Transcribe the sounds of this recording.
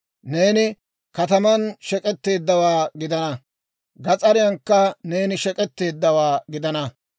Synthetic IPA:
ne̞ːnɪ | kɐt̪ɐmɐnʃɛkʼɛt̪ːe̞ːd̪ːɐwaːɡɪd̪ɐnɐ | ɡɐt͡sʼɐɾɪjɐŋkːɐneːnɪʃɛkʼɛt̪ːe̞ːd̪ːɐwaːɡɪd̪ɐnɐ

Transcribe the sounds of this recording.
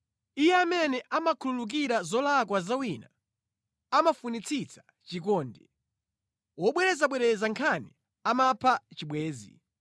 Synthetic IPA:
ijɛamɛnɛʔamakʰululuk̬iɾazɔlak̬wazawiːna | amafunit͡sʰit͡sʰḁ | t͡ʃik̬ɔːndɛ | wɔɓwɛɾɛzaɓwɛɾɛzaŋkʰani | amapʰat͡ʃiɓwɛːzḭ

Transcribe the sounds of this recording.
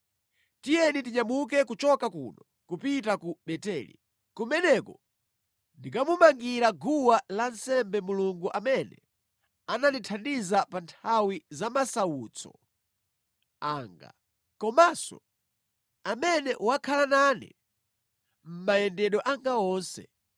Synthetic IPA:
tijɛnitiɲamuk̬ɛkut͡ʃɔkakṵnɔ | kupitakuɓɛtɛːlḭ | kumɛnɛkɔ | ndikamumaŋɡiɾaɡuwalansɛmbɛmuluŋɡuʔamɛnɛ̰ | ananitʰandizapantʰawizamasauːt͡sʰɔ̰ | aːŋɡa̰ | kɔmasɔ̰ | amɛnɛʔuwakʰalananḭ | m̩majɛndɛɗɔʔaŋɡaɔːnsɛ̰

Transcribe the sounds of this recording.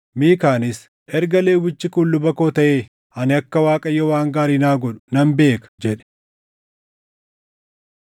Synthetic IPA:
miːkaːnɪs | ʔɛɾɡɐle̞ːwɪt͡ʃːɪkʊnlʊbɐkoːt̪ɐʔeː | ɐnɪɐkːɐwaːkʼɐjːɔwaːŋɡaːɾiːnaːɡɔᶑʊ̥nɐmbe̞ːkɐ̥d͡ʒɛᶑɛ̥

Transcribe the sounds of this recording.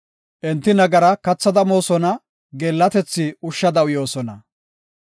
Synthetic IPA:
ʔɛnt̪ːɪnɐɡɐɾɐkɐt͡sːɐd̪ɐmo̞ːsɔnɐ | ɡɛːlːɐt̪ɛt͡sːɪʊʃːɐd̪ɐʊjo̞ːsɔnɐ

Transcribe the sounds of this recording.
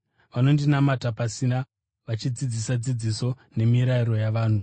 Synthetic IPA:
ʋano̞ndinamatapasina | ʋat͡ʃid͡zid͡zisad͡zid͡ziso̞ | ne̞miɾaiɾo̞jaʋaːn̤u

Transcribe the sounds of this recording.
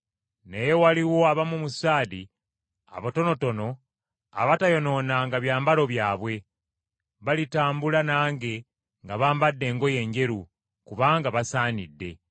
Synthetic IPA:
ne̞jewaliwo̞aβamumusaːdi | a̰βoto̞no̞to̞no̞ | a̰βatajo̞no̞ːnaŋɡaβjaːmbalo̞βjaːβwe̞ | βalitaːmbulanaːŋɡe̞ | ŋɡaβaːmbadːe̞ːŋɡo̞je̞ːɲɟe̞ɾu | kuβaːŋɡaβasaːnidːe̞̰

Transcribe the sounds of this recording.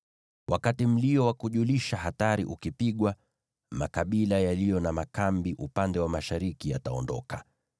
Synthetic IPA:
wʔakatim̩liɔwakuʄuliʃahataɾḭʔukipiɠwa | makaɓilajalijɔnamakambiʔupandɛwamaʃaɾikijataɔndɔka

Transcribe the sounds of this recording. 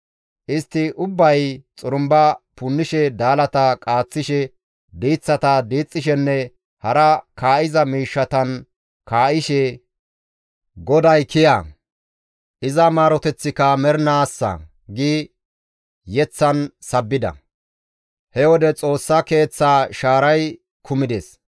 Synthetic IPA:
ʔɪst̪ːɪʔʊbːɐjt͡sʼʊɾʊmbɐpʊnːɪʃɛd̪aːlɐt̪ɐkʼaːt͡sːɪʃɛ | d̪iːt͡sːɐt̪ɐd̪iːt͡sʼːɪʃɛnːɛ | hɐɾɐkaːʔɪzɐmiːʃːɐt̪ɐn | kaːʔɪʃɛ | ɡɔd̪ɐjkɪjaː | ʔɪzɐmaːɾɔt̪ɛt͡sːɪkɐmɛɾnaːsːɐ̰ | ɡi | jɛt͡sːɐnsɐbːɪd̪ɐ̰ | hɛwɔd̪ɛt͡sʼo̞ːsːɐke̞ːt͡sːaːʃaːɾɐj | kʰʊmɪd̪ɛs

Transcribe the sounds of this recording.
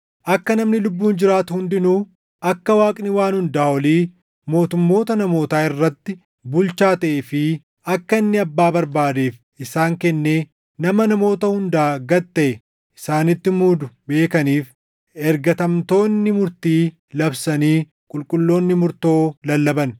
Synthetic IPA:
ʔɐkːɐnɐmnɪlʊbːuːnd͡ʒɪɾaːt̪ʊhʊnd̪ɪnuː | ʔɐkːɐwaːkʼnɪwaːnhʊnd̪aːɔliː | mo̞ːt̪ʊmːo̞ːt̪ɐnɐmo̞ːt̪aːɪrːɐt̪ːɪ | bʊlt͡ʃaːt̪ɐʔefɪ | ɐkːɐɪnːɪɐbːaːbɐɾbaːd̪eːf | ɪsaːŋkɛnːeː | nɐmɐnɐmo̞ːt̪ɐhʊnd̪aːɡɐt̪ːɐʔɛ | ʔɪsaːnɪt̪ːɪmuːd̪ʊbe̞ːkɐniːf | ɛɾɡɐt̪ɐmt̪o̞ːnːɪmʊɾt̪iː | lɐbsɐniː | kʼʊlkʼʊlːo̞ːnːɪmʊɾt̪o̞ːlɐlːɐbɐn

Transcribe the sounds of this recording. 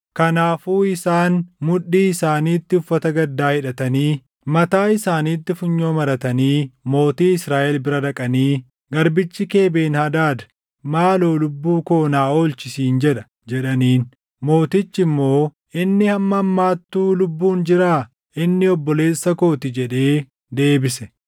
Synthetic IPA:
kɐnaːfuːɪsaːnmʊᶑːiːɪsaːniːt̪ːɪʊfːɐt̪ɐɡɐd̪ːaːhɪᶑɐt̪ɐniː | mɐt̪aːɪsaːniːt̪ːɪfʊɲːo̞ːmɐɾɐt̪ɐniːmo̞ːt̪iːɪsɾaːʔɛlbɪɾɐd̪ɐkʼɐniː | ɡɐɾbɪt͡ʃːɪke̞ːbe̞ːnhɐd̪aːd̪ɐ̥ | maːloːlʊbːuːko̞ːnaːo̞ːlt͡ʃɪsiːnd͡ʒɛᶑɐ | d͡ʒɛᶑɐniːn | mo̞ːt̪ɪt͡ʃːɪmːo̞ː | ʔɪnːɪhɐmːɐɐmːaːt̪ːuːlʊbːuːnd͡ʒɪɾaː | ɪnːɪɔbːɔle̞ːsːɐko̞ːt̪ɪd͡ʒɛᶑe̞ː | d̪e̞ːbɪsɛ

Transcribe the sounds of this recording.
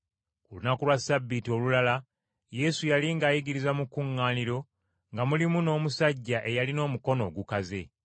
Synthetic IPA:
kulunakulwasabːitio̞lulala | je̞sujaliŋɡaːjiɡiɾizamukuŋːaːniɾo̞ | ŋɡamulimuno̞ːmusaɟːaʔe̞jalino̞ːmuko̞no̞̰ːɡukaze̞

